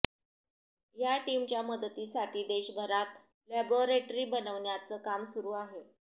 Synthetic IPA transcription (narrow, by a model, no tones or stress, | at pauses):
jaʈimt͡ɕjaməd̪ət̪iːsaʈʰiːd̪eɕbʱəɾat̪ | læboɾeʈɾiːbənəʋɳjat͡səːkamsuɾuːaɦe